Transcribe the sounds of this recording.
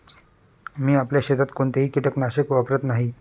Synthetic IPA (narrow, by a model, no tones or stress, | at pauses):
miːapljaɕed̪at̪koɳt̪eɦiːkiʈəknaɕəkʋapɾət̪naɦi